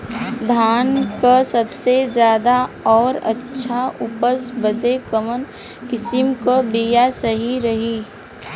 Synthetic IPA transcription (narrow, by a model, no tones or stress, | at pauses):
d̪ʱaːnkasəbsed͡ʒjaːd̪aɔːɾə̰tːʃʰaʔʊpəsbəd̪ekəmən | kɪsɪmkabijasəɦiɾəɦi